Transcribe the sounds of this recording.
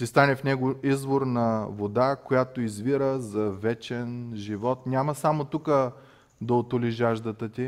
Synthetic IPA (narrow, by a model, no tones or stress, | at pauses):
sist̪anɛfnɛɡoizvoɾnɐvod̪akojat̪oizviɾəzɐvɛt͡ʃɛnʒivɔt̪nʲamɐsamot̪ukə | d̪ɐot̪oliʒaʒd̪ət̪ət̪i